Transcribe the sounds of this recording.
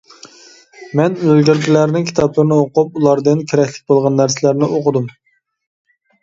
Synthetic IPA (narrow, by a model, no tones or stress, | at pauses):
mɛnølɡʲyɾɡʲilæɾɪnɪŋkʲʰi̥t̪ʰɑplˠɨɾnɨoqʊp̚ulˠɑɾd̪ɨnkʲʰeɾɛkʲlɪ̥k̚ʲbolˠʁɑnːæɾsɪlæɾnɪʔoqʊd̪um